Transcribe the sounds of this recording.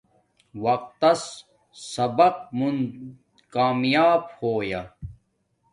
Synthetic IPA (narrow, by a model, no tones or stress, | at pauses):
wɐq̚t̪ɐs | sɐbɐq̚mun | kaːmjaːbhoːja